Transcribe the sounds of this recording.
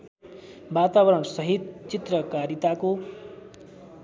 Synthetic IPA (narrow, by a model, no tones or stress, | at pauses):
bat̪abʌɾʌɳsʌɦit̪t͡sit̪rʌkaɾit̪ako